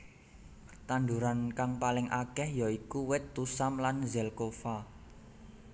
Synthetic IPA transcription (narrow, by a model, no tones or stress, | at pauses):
t̪and̪uɾankaŋpalɪŋʔakɛhjaikuwɪt̪ːusamlanzɛlkofa